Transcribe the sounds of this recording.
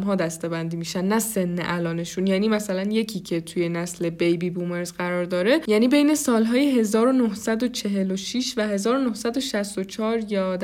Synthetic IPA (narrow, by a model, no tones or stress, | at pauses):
mɦɒːd̪æst̪e̞bænd̪iːmiːʃænːæse̞nːḛʔælɒːne̞ʃunjæːniːmæsælænje̞cʰiːcʰe̞t̪ʰuje̞næsle̞bejbiːbume̞ɾzɢæɾɒːɾd̪ɒːɾe̞jæːniːbe̞jne̞sɒːlɦɒːjeɦe̞zɒːɾonohsæd̪o̞t͡ʃʰe̞ɦe̞loʃiʃvæhe̞zɒːɾonohsæd̪o̞ʃæst̪ot͡ʃʰɒːɾjɒːd̪